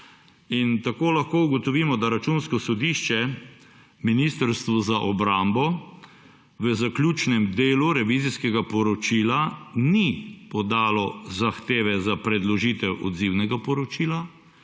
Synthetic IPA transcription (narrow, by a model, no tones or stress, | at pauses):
int̪akoːlaxkouɡɔt̪ɔʋiːmɔd̪aɾat͡ʃunskɔsɔd̪iʃt͡ʃɛ | minist̪əɾst̪ʋɔzaʔɔbɾambɔ | ʋəzaklʲjuːt͡ʃnɛmd̪eːluɾɛʋiziskɛɡapɔɾɔt͡ʃiːlanipɔd̪aːlɔzaxt̪eːʋɛzapɾɛd̪lɔʒit̪ɛwʔɔ̰d̪ziwnɛɡapɔɾɔt͡ʃiːla